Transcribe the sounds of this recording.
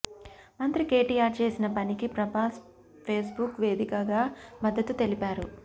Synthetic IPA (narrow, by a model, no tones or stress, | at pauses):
mɐnt̪ɾike̞ːʈiaːɾt͡ʃe̞ːsinɐpɐnikipɾɐpaːs | pʰe̞ːsbukʋe̞ːd̪ikɐɡaːmɐd̪ːɐt̪ːut̪elipaːɾṵ